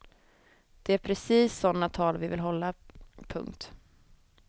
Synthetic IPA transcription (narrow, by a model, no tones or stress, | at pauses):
d̪̥ɛæɾpʰɾɛsiːsːɔnːat̪ʰɑːlvɪvɪ̰lɦɔlːapʰɵ̰ŋkt̪